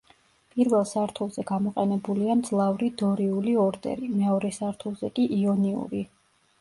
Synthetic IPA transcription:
pʼiɾvɛlˠsaɾt̪ʰulˠzɛɡamɔqʼɛnɛbuliamd̪zlˠavɾid̪ɔɾiuliɔɾd̪ɛ̰ɾimɛɔɾɛsaɾt̪ʰulˠzɛkʼiʔiɔniṵɾi

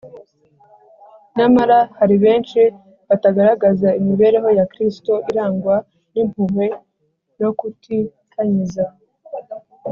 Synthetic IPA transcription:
namaɾahaɾiβe̞ːnt͡ʃi | βataɡaɾaɡazaimiβe̞ːɾe̞ɦo̞jakɾisto̞ʔiɾaːŋɡwa | nimhuɦwe̞ | jo̞kutʰi | kʰaɲiza

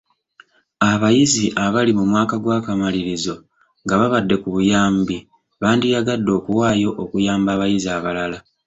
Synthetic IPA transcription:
aβajiziʔaβalimumwaːkaɡwaːkamaliɾizo̞ | ŋɡaβaβadːe̞kuβujaːmbi | βaːndijaɡadːo̞ːkuwaːjo̞ʔokujaːmbaːβajiziaβalala

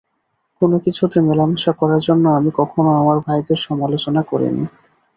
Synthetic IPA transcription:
konokit͡ɕʰut̪emelamʃakɔɾaɾd͡ʑonːoamikɔkʰonoamaɾbʱajd̪eɾʃɔmalot͡ɕonakoɾḭnḭ

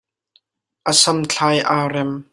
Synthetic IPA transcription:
ʔəsɐmt͡ɬʰaːjʔaːrɛm

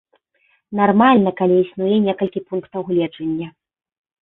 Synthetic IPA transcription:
narmalʲnɐkalʲiisnujɛnʲɛkɐlʲkʲipunkt̪ɐwɣlʲɛd͡ʐɐnʲːɐ

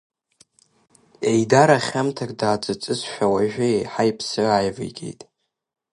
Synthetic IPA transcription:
ejdaɾaχʲamtʰakʼdaːt͡sʼɨt͡sʼɨzʃᶣawaʒᶣɪejħajpʰsɨajvɨ̰ɡʲḛjtʼ

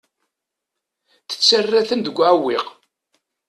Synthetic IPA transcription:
θə̥t͡sːərːæθənd̪əɡʷːʕawːiq

